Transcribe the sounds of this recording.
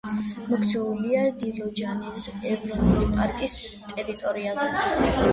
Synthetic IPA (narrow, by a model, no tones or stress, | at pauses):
mɔkʰt͡ʃʰɛuliad̪ilɔd͡ʒanɛsɛvɾɔnʼulipʼaɾkʼist̪ʼɛɾit̪ʼɔɾiazɛ